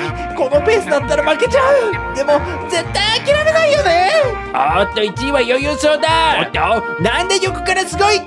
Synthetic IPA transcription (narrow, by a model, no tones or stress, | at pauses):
ko̞no̞pe̞ːsɨd̪at̪ːaɾamake̞t͡ɕaɯ̟d̪e̞mo̞ | ze̞t̪ːaĩakʲeɾaɾe̞naijo̞ne̞ | at̪ːoit͡ɕiiβajo̞jɯːsoːd̪at̪ː | nãnd̪e̞ɾʲokɯ̟̥kaɾasɨɡo̞i